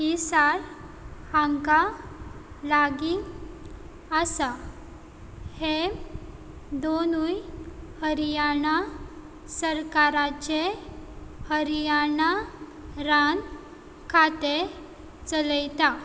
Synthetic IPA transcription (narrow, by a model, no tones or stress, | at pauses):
ɦisaɽ | hãŋka | laɡiŋ | əsa | he | d̪onujhəɾijaɳa | səɾkaɾat͡ɕe | həɾijaɳa | ɾan | kʰat̪e | t͡sələjt̪a